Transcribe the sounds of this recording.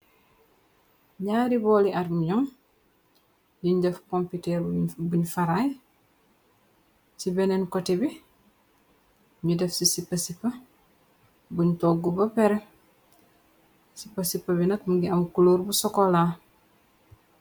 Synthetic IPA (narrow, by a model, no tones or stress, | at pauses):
ɲaːɾibɔliaɾmɲɔŋ | juɲdɛfkompitɛɾbuɲfaɾaj | sibɛnenkɔtibi | ɲudɛfsisipːɐsipːɐ | buɲtɔːɡːubɐpɛɾe | sipːɐsipːɐbinɐtmuɡiɐmkuloːɾbusɔkola